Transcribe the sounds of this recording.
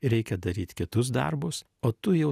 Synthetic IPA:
ɾʲɛɪkʲɛd̪ɐɾʲiːt̪ʲkʲɪt̪ʊs̬d̪ɐ̰ɾbʊs | oːt̪ʊjɛʊ

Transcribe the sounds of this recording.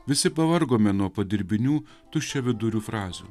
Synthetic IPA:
ʋʲɪsʲɪpɐʋɐɾɡoːmʲɛnuɔpɐd̪ʲɪɾʲbʲɪnʲuː | t̪ʊʃʲt͡ʃʲɛʋʲɪd̪ʊɾʲuːfɾɑːzʲṵː

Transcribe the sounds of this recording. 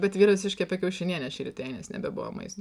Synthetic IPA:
bʲɛt̪ʋʲiːɾɐʋʲsʲɪʃkʲɛɐpʲɛkʲɛʊʃʲɛnʲiɛnʲɛʃʲiɾʲt̪ʲɛɪnʲɛ̰snʲɛ̰bʲɛbʊʋo̰mɐ̰ɪst̪

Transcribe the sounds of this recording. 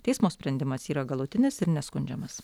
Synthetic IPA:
t̪ʲɛɪsmoːsʲpʲɾʲɛnʲd̪ʲɪmɐsiːɾɐɡɐlˠʊt̪ʲɪnʲɪsɪɾnʲɛskʊnʲd͡ʒʲɛmɐs

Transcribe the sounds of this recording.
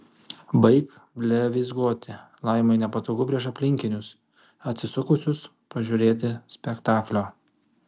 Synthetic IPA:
bɐɪk | bʲlʲɛʋʲɪzɡuɔt̪ʲɪ | lˠɐˑɪmɐɪnʲɛpɐt̪oːɡʊpʲɾʲiɛʃɐpʲlʲɪŋʲkʲɪnʲʊs | ɐt̪ʲsʲɪsʊkʊsʲʊs | pɐʒʲʊɾʲeːt̪ʲɪsʲpʲɛkt̪ɑːklʲoː

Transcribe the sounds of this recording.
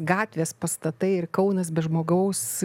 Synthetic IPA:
ɡɑːt̪ʲʋʲeːspɐst̪ɐt̪ɐɪɪɾkɐʊnɐsbʲɛʒmoːɡɐʊs

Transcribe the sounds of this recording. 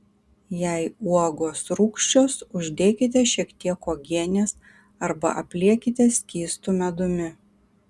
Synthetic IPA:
jɛɪuɔɡoːsɾuːkʃʲt͡ʃʲoːsʊʒʲd̪ʲeːkʲɪt̪̬ʲɛʃʲiɛkt̪ʲiɛkoːɡʲiɛnʲeːs | ɐɾbɐ̰ʔɐpʲlʲiɛkʲɪt̪ʲɛsʲkʲiːst̪umʲɛd̪ʊmʲɪ

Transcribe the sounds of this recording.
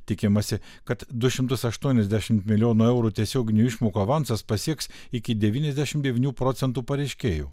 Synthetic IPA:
t̪ʲɪkʲɪmɐsʲɪ | kɐt̪d̪ʊʃʲɪmt̪ʊsɐʃt̪uɔnʲɛzd̪ʲæʃʲɪmt̪mʲɪlʲjoːnoːɛʊɾuːt̪ʲiɛsʲoːɡʲɪnʲuːɪʃmoːkoɐʋɐnsɐspɐsʲiɛks | ɪkʲɪd̪ʲɛʋʲiːnʲɛzʲd̪ʲæʃʲɪmtd̪ʲɛʋʲiːnʲuːpɾoːt̪sʲɛnt̪uːpɐɾʲɛɪʃʲkʲeːjṵː

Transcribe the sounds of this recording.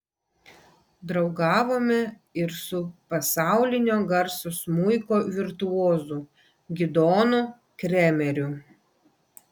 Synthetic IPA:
d̪ɾɒʊɡɑːʋoːmʲɛ | ɪɾsʊpɐsɑˑʊlʲɪnʲoːɡɐɾsʊsmʊɪkoːʋʲɪɾt̪ʊoːzu | ɡʲɪd̪oːnʊ | kɾʲɛmʲɛɾʲʊ

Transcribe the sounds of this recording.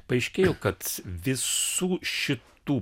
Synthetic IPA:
pɐɐɪʃʲkʲeːjoːkɐt̪ʋʲɪsuːʃʲɪt̪uː

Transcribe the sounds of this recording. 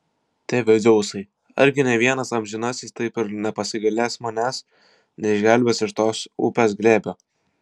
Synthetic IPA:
t̪ʲeːʋʲɛd͡z̪ʲɛʊsɐɪ | ɐ̰ɾʲɡʲɪnʲɛʋʲiɛnɐsɐmʲʒʲɪnɑsʲiːst̪ɐɪpɪɾnʲɛpɐsʲɪɡɐlʲæːsmɐnʲæːs | nʲɛɪʒʲɡʲælʲbʲeːsɪʃt̪oːsʊ̰pʲeːsɡlʲeːbʲoː

